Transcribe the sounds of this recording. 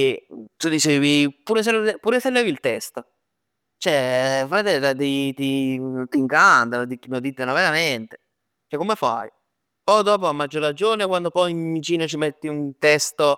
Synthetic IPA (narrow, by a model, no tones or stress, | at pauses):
et̪ud̪it͡ʃeːvipuːɾes̬elepuːɾeselːeːvilt̪ɛst̪o | t͡ʃoɛfɾat̪ɛlːit̪ad̪it̪it̪iŋkant̪anod̪ikːimod̪it̪ːenoveɾament̪e̥ | t͡ʃɛkːomefa̰j | pɔjd̪ɔːpoamːad͡ʒːoɾad͡ʒoːnekwand̪opɔjimmːit͡ʃiːnot͡ʃimet̪ːiunt̪ɛst̪o